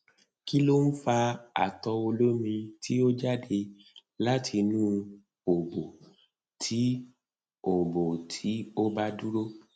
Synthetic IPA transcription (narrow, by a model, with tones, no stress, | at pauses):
ki˦lo˦n̩˦fa˧a̰˨tɔ˧o˧lo˦mĩ˧tʰi˦o˦d͡ʒa˦de˧ | la˦tʰi˧nũ˦˧ | o˨bo˨ | tʰi˨˦ | o˨bo˨tʰi˨˦o˦ba˦du˦ɾo˦